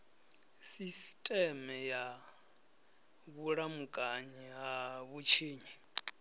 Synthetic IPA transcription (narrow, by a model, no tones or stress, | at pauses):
sistʼɛmɛja | ɣuɺamukʼaɲɛɦaβut͡ʃʰeːɲi